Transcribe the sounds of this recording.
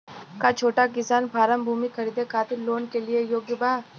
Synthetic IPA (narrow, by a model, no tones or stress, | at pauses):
kat͡ʃʰoːʈaɡɪsaːnpaːɾəmbʱuːmixɐɾiːd̪ekʰaːt̪ɪɾloːnkeliejoːɡjəbaː